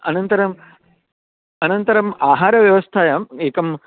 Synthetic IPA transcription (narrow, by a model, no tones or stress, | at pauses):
ɐnɐnt̪ɐɾɐm | ɐnɐnt̪ɐɾɐmaːɦaːɾɐʋjɐʋɐst̪ʰaːjameːkɐm